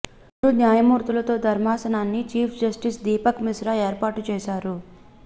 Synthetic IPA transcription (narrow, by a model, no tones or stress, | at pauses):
unjaːjɐmuːɾt̪ulɐt̪o̞ːd̪ʱɐɾmaːsɐnaːnːit͡ʃiːpʰd͡ʒɐsʈisd̪iːpɐkmisɾaeːɾpaːʈut͡ʃɛːʃaːɾu